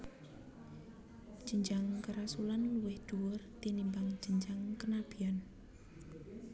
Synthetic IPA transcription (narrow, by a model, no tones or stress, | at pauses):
d̥ʒ̥əɲd͡ʒaŋkəɾasulanluwɪhd̪̥uwʊrt̪inimbaŋ̥d͡ʒ̥əɲd͡ʒaŋkənab̥i̤an